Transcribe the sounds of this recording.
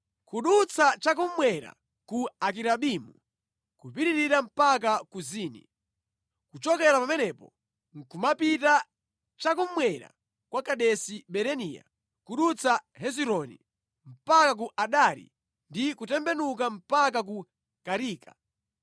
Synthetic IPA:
kuɗut͡sʰat͡ʃakummwɛɾa̰ | kuak̬iɾaɓimṵ | kupiɾiɾiɾam̩pak̬akuziːnḭ | kut͡ʃɔkɛɾapamɛnɛpɔ̰ | ŋ̩kumapita | t͡ʃakummwɛɾa̰ | kwakaɗɛsiɓɛɾɛniːja̰ | kuɗut͡sʰaɦɛziɾɔnḭ | m̩pakak̬uʔaɗaɾḭ | ndikutɛmbɛnuk̬am̩pakak̬u | kaɾiːka

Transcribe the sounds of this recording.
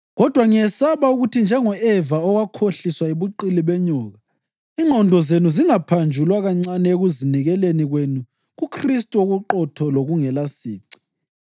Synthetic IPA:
ɣɔd̥ʱwaŋijɛsaβauɣutʰind͡ʒʱɛŋɔʔɛvaɔɣwakʰoɬiswaeβuǃiliβɛɲɔːɣa | iŋ͡ǃʱɔndʱɔzenuziŋapʰand͡ʒʱulwaɣaŋ͡ǀanɛeɣuziniɣɛleniɣwenu | ɣukʰristʼoɣuǃɔtʰɔloɣuŋɛlasiːǀi̥

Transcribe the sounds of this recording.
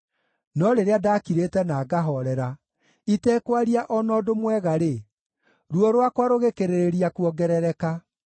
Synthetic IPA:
nɔɾeɾeadakiɾetɛnaːɡaɦɔɾɛɾa | itɛkwaɾiaʔɔnɔdomwɛɣaɾe | ɾuɔɾwakwaɾoɣekeɾeɾeɾiakwɔɡɛɾɛɾɛka

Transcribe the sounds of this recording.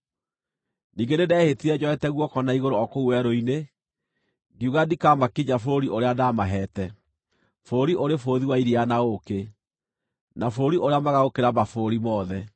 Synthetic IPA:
niːɡenedɛːhetiɾɛd͡ʑɔɛtɛɣwɔkɔnaiɣoɾoɔkouwɛɾoine | ɡiuɣadikamakiɲafoɾiʔoɾeadamaɦɛtɛ | foɾiʔoɾefoðiwaiɾianaoke | nafoɾiʔoɾeamaɣaɣokeɾamafoɾimɔðɛ

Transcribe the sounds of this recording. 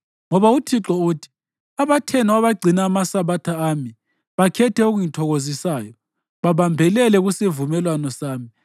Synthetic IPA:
ŋɔβautʰiǁɔuːtʰi̥ | aβatʰɛnɔaβaɡ͡ǀʱinaːmasaβatʰaami | βakʰɛtʰɛuɣujitʰɔɣozisaːjɔ | βaβambʱɛlɛlɛɣusivumɛlwanɔsaːmi

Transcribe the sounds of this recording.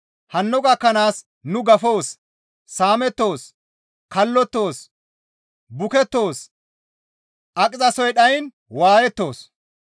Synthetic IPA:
hɐnːɔɡɐkːɐnaːs | nʊɡɐfo̞ːsː | aːmɛt̪ːo̞ːs | kɐlːɔt̪ːo̞ːs | bʊkɛt̪ːo̞ːs | ʔɐkʼɪzʼɐsɔjɗɐjn | waːjɛt̪ːo̞ːs

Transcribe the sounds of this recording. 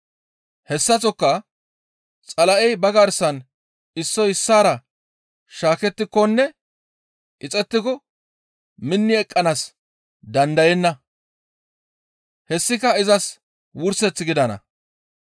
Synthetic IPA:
hɛsːɐt͡sɔkːɐ | t͡sʼɐlɐʔɛjbɐɡɐɾsɐn | ɪsːɔjɪsːaːɾɐ | ʃaːkɛt̪ːɪkːɔnːɛ | ʔɪt͡sʼɛt̪ːɪkɔ | mɪnːɪɛkʼːɐnas | d̪ɐnd̪ɐjɛnːɐ | hɛsːɪkɐɪzɐs | wʊɾsɛt͡sːɪɡɪd̪ɐnɐ̰

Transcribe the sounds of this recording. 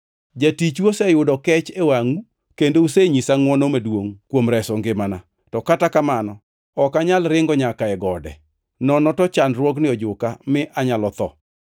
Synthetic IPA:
d͡ʒatit͡ʃwosɛjʊdɔkɛt͡ʃewaŋu | kendouseɲisaŋwɔnɔmedwoŋkwomɾɛsɔŋɡɪmana | tɔkatakamanɔ | ɔkaɲalɾɪŋɡɔɲakaɛɡɔdɛ̰ | nɔnɔtɔt͡ʃanrwɔɡnɪɔd͡ʒʊkamɪʔaɲalɔt̪ɔ̰

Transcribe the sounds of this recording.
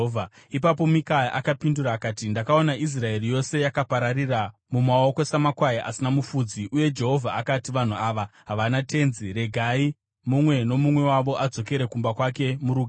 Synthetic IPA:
vʱa | ipap̬o̞mikajaʔakapinduɾaːkaːtindakao̞naʔis̬rae̞rijo̞se̞jakapaɾariramumao̞ko̞samakwajiʔasinamufuːd͡ziʔuje̞d͡ʒe̞ɦo̞vʱaakatiʋan̤uaːʋaɦaʋanate̞nzire̞ɡʱai | mumwe̞no̞mumwe̞waʋo̞ʔad͡zo̞ke̞ɾe̞kumbakwake̞muɾuːɡʱ

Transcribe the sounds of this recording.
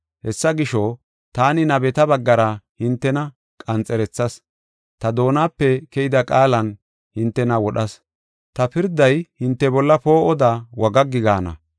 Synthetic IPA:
hɛsːɐɡɪʃɔ | t̪aːnɪnɐbɛt̪ɐbɐɡːɐɾɐhɪnt̪ːɛnɐ | kʼɐnt͡sʼɛɾɛt͡sːɐs | t̪ɐd̪o̞ːnaːpːɛkɛjɪd̪ɐkʼaːlɐn | hɪnt̪ːɛnɐwɔɗɐs | t̪ɐpɪɾd̪ɐjhɪnt̪ːɛbɔlːɐpo̞ːʔɔd̪awɐɡɐɡːɪɡaːnɐ̰

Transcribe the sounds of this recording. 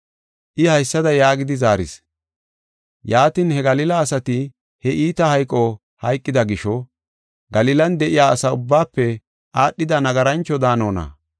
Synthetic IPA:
ʔɪhɐjsːɐd̪ɐjaːɡɪd̪ɪzaːɾɪ̰s | jaːt̪iːnhɛɡɐlɪːlɐːsɐt̪ɪ | hɛʔiːt̪ɐhɐjkʼːɔ | hɐjkʼːɪd̪ɐɡɪʃɔ | ɡɐlɪlɐnd̪ɛʔɪjaːɐsɐʊbːaːpːɛ | ʔaːɗːɪd̪ɐnɐɡɐɾɐnt͡ʃːɔd̪aːno̞ːnɐ̰

